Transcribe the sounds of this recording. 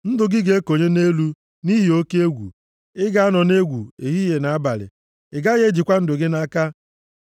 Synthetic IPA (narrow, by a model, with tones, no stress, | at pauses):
n̩˦dʊ˨ɡɪ˦ɡe˦e˦ko˨ɲe˦ne˦lu˦ | ni˦ɦi˨o˦ke˦e˦ɡʷṵ˨ | ɪ˦ɡa˦a˦nɔ˨ne˦ɡʷṵ˨e˨ɦi˦je˨na˨a˦ba˨lɪ̰˨ | ɪ˨ɡa˦ɣe˦d͡ʒi˨kʷa˦n̩˦dʊ˨ɡɪ˦na˦ka˦